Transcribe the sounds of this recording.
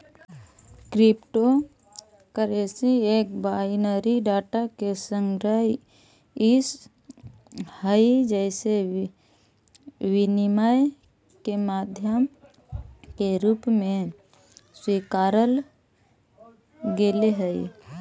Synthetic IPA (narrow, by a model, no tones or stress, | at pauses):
kɾɪpʈo | kəɾesieːkbaːinəɾiɖaːʈakesə̃ŋɡɾəɦ | ɪs | həid͡ʒɛɪse | wɪnɪmaj | kemaːd̪ʱjəm | keɾuːpmẽ | swiːkaːɾəl | ɡeleɦəi